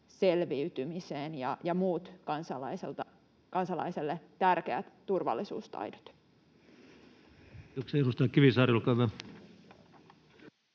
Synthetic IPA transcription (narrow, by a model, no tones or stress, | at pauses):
se̞lʋiyt̪ymiseːnjɑjɑmuːt̪kɑnsɑlɑiselt̪ɑ | kɑnsɑlɑ̰iselːet̪ærkeæt̪ːurʋɑ̰lːisṵːst̪ɑ̰jdo̥t̪ | okseeɾust̪ɑːkkiʋisɑːrjulkɑʋɑ